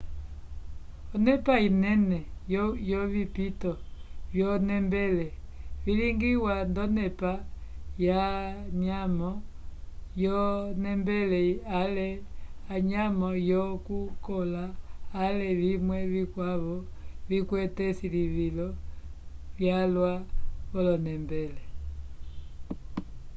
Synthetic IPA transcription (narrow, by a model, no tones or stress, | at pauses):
ɔnɛpainɛnɛjjɔβipitɔβjɔnɛmbɛlɛ | βiliŋɡiwandɔnɛpajaɲamɔ | jɔnɛmbɛlɛalɛaɲamɔjɔkukɔlaːlɛβimwɛβikwaβɔvikwɛtɛsiliβilɔ | βjalwaβɔlɔnɛmbɛlɛ